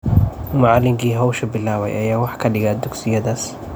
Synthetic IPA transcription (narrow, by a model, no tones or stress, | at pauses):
mɐʕɑlːɪŋkʰiːɦɔwʃɐbɪlaːwɛ̰jʔɐ̰jaːwɑħkʰɐɖɪɣaːd̪ʊɡsɪjɐðaːs